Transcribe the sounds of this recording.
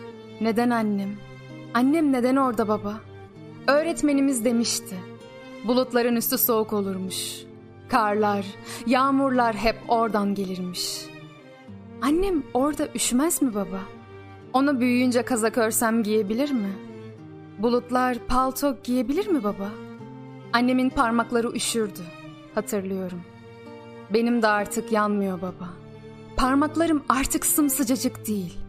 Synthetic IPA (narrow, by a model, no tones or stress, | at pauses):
ne̞d̪ænanːɛm | anːɛmne̞d̪æno̞ɾd̪ababa | ø̞ːɾɛt̪me̞nimizd̪e̞miʃt̪ʰɪ | bulˠut̪lˠaɾɯnyst̪ʰyso̞uko̞lˠuɾmuʃ | kʰaɾlˠaɾjaːmuɾlˠaɾɦɛpo̞ɾd̪anɟe̞lʲiɾmiʃ | anːɛmo̞ɾd̪aʔyʃmæzmibaba | o̞nabyjyjynd͡ʒɛkʰazakʰøɾsæmɟije̞bilʲiɾmɪ | bulˠut̪lˠaɾpʰalˠt̪ʰok̚ɟije̞bilʲiɾmibaba | anːe̞minpʰaɾmaklˠaɾɯʔyʃyɾd̪y | hat̪ʰɯɾlˠɯjo̞ɾum | be̞nimd̪ɛaɾt̪ʰɯkjanmɯjo̞baba | pʰaɾmaklˠaɾɯmaɾt̪ʰɯksɯmsɯd͡ʒad͡ʒɯkd̪ijilʲ